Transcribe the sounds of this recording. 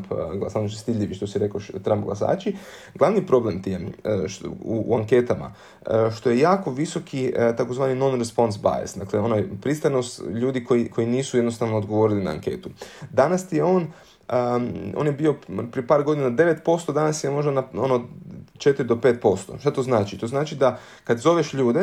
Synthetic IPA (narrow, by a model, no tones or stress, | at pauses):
pɡlasanoʃest̪iʎʲiʋiʃt̪osiɾekoʃt̪ɾampɡlˠasa̰ːt͡ʃi | ɡlˠaʋnipɾo̞blemt̪imʃṵaŋke̞t̪ama̰ | ʃt̪o̞je̞jaːko̞ʋiso̞kʰit̪ako̞zʋaːnino̞nɾespo̞nsba̰jḛsd̪akleo̞najpɾist̪ano̞st̪ʎuːd̪iko̞iko̞jiniːsujed̪no̞st̪aʋnood̪ɡo̞ʋo̞ɾilina̰ːŋke̞̰ːt̪ud̪anast̪ije̞o̞ːn | əo̰ːnjebio̞pɾijepaːɾɡo̞d̪inad̪e̞ʋe̞t̪po̞st̪o̞d̪anasjemo̞ʒd̪anaonod̪t͡ʃe̞t̪iɾid̪o̞pet̪̚po̞st̪o̞̰ʃt̪at̪oznaːt͡ʃit̪o̞znaːt͡ʃid̪a | kad̪zo̞ʋeʃʎuːd̪e